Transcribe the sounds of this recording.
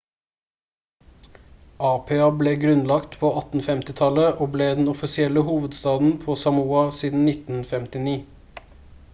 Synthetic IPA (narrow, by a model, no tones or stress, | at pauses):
ʔɑːpʰeːɑbleːɡɾʉnlɑkt̪pʰoːɑt̪n̩fɛmt̪ɪt̪ʰɑləʔoːbleːd̪n̩ɔfɪsɪɛləhuːʋəd̪st̪ɑːd̪n̩pʰoːsɑmuːɑsiːd̪n̩nɪt̪n̩fɛmt̪ɪniː